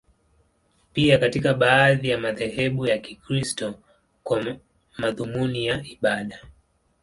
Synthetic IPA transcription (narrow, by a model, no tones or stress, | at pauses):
piakatikaɓaːðijamaðɛhɛɓujakikɾistɔ | kwa | maðumunijaiɓaɗa